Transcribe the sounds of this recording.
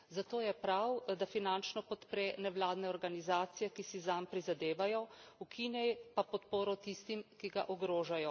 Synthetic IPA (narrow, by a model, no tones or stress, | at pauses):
zat̪oːjɛpɾawd̪afinant͡ʃnɔpɔt̪pɾɛnɛʋlaːd̪nɛɔɾɡanizaːt̪sijɛkisizampɾizad̪eːʋajɔukʰinɛjpapɔt̪poːɾɔt̪ist̪imkiɡa̰ʔɔɡɾoːʒajɔ